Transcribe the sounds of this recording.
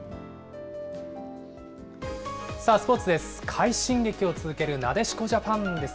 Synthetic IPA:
saːsɨ̥po̞t͡sɨd̪e̞sɨ̥kʰaiɕĩŋɡe̞kʲio̞t͡sɨzɨke̞ɾɯ̟nad̪e̞ɕi̥ko̞ʑapãnd̪e̞s

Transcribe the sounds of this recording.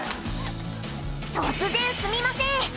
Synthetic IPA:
t̪ot͡sɨzẽɰ̃sɨmʲimasẽ

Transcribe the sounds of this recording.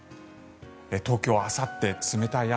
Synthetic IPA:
et̪o̞ːkʲoasat̪ːe̞t͡sɨme̞t̪aia

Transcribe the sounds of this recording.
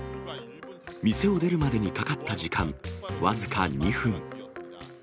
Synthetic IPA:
mʲise̞o̞d̪e̞ɾɯ̟mad̪e̞ɲ̟ikakat̪ːaʑikãβazɨkaɲiɸɯ̟̃ŋ

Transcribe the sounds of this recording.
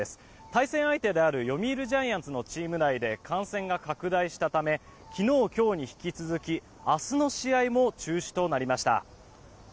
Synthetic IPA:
esɨ̥ | t̪aisẽ̞ɰ̃ait̪e̞d̪e̞aɾɯ̟jo̞mʲiːɾɯ̟ʑãɰ̃jãnt͡sɨno̞t͡ɕiːmɯ̟ɾaid̪e̞kʰãɰ̃sẽ̞ŋɡakakɯ̟d̪aiɕi̥t̪at̪ame̞ | kʲino̞ːkʲo̞ːɲ̟içi̥kʲit͡sɨzɨkʲi | asɨno̞ɕiaimo̞t͡ɕɨːɕi̥t̪o̞naɾʲimaɕi̥t̪a̰

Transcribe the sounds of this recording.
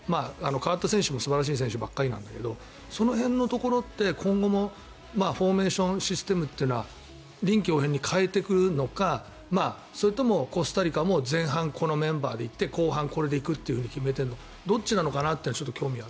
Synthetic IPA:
maːano̞kaβat̪ːasẽ̞ɰ̃ɕɨmo̞sɨbaɾaɕ̬iːs̬ẽɕɨbakːaɾʲinã̰nd̪ake̞d̪o̞ | so̞no̞ɦẽ̞nːo̞t̪o̞ko̞ɾo̞t̪ːe̞kʰõ̞ŋɡo̞mo̞ | maːɸo̞ːme̞ːɕõɰ̃ɕisɨ̥t̪e̞mɯ̟t̪ːeinoβa | ɾʲĩŋkʲio̞ːɦẽ̞ɲ̟ːikʰaet̪e̞kɯ̟ɾɯ̟no̞ka | maː | so̞ɾet̪o̞mo̞ko̞sɨ̥t̪aɾʲikamo̞zẽ̞ɰ̃ɦãŋkʰo̞no̞mẽ̞mbaːd̪e̞it̪ːe̞ko̞ːɦãŋko̞ɾe̞d̪e̞ikɯ̟t̪ːeiɯ̟ɯ̟ɲ̟ikʲime̞t̪̬eno | d̪o̞t͡ɕinano̞kanat̪ːeinat͡ɕo̞t̪ːokʲo̞ːmʲiβa

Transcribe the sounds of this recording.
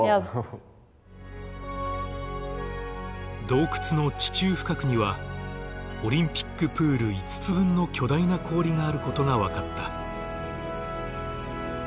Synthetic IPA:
d̪o̞ːkɯ̟̥t͡sɨno̞t͡ɕi̥t͡ɕɨːɸɯ̟̥kakɯ̟ɲ̟iβa | o̞ɾʲĩmpʲi̥kːɯ̟pɯ̟ːɾɯ̟it͡sɨ̥t͡sɨbɯ̟̃nːo̞kʲo̞d̪ainakʰo̞ːɾʲiŋaːɾɯ̟ko̞t̪o̞ŋaβakat̪ːa

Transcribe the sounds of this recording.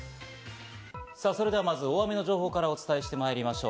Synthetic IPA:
saːso̞ɾe̞d̪eamazɨoβamʲino̞ʑo̞ːɦo̞ːkaɾao̞t͡sɨ̥t̪ae̞ɕi̥t̪e̞maeɾʲimaɕo̞ː

